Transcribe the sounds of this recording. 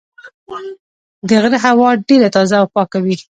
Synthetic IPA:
d̪əɣɾəɦawɑɖeɾat̪ɑzaːwpɑkawi

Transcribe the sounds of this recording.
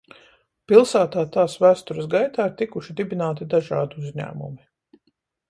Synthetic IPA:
pilˠsæːt̪aːt̪aːsvæːst̪uɾəsɡajt̪aːiɾt̪ikuʃid̪ibinaːt̪id̪aʒa̰ːd̪uuzʲɲæ̰ːmṵmi

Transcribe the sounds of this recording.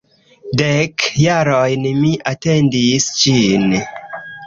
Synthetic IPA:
dekjaɾojnmiʔatendisd͡ʒin

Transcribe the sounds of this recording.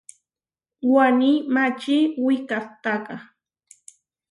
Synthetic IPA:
wanimat͡ʃɪwɪkaχt̪ɑɢɑ

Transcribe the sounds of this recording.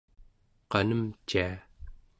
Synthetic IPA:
qɑnəmt͡ʃia

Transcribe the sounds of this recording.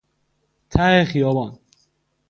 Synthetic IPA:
t̪ʰæhexijɒːbɒːn

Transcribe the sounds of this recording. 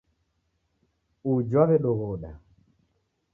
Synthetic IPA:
ud͡ʒwaβɛɗɔɣɔɗa

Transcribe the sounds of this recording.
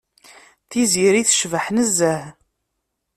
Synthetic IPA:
θiziɾiθʃvəħnəzːəh

